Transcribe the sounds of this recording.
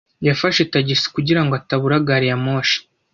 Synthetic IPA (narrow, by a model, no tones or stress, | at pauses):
jafaʃetaɟisi̥kuɟiɾaŋɡoataβuɾaɡaɾijamoːʃi̥